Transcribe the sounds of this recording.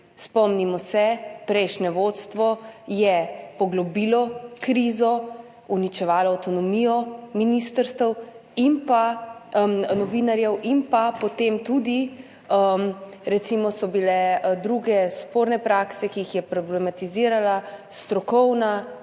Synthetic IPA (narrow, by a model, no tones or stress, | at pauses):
spɔmnimɔsɛpɾɛjʃnɛʋot̪st̪ʋɔjɛpɔɡlɔbilɔkɾizɔ | unit͡ʃɛʋaːlɔawt̪ɔnɔmiːjɔminist̪əɾst̪əw | impa | nɔʋinaɾjɛwʔimpapɔt̪emt̪ud̪i | əmɾɛt̪simɔsɔbilɛd̪ɾuɡɛspoɾnɛpɾaːksɛkijixjɛpɾɔblɛmat̪iziːɾalast̪ɾɔkɔwna